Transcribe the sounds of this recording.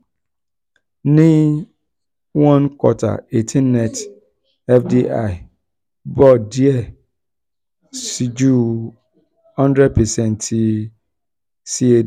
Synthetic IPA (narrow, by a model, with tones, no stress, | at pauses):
nɪ̃˦ | wã˦nkʰwɔ̰˨tʰa̰˨e˨tʰĩ˦nɛ̃˨t | ɛ˦fdi˦ʔa˦˨ɪ˨ | bɔ˦˨di˦ɛ˦ | si˨d͡ʒu˦ | hã˦ndɾɛ˦d̚pʰɛ˨sɛ̃˨ntʰi˦ | si˦e˨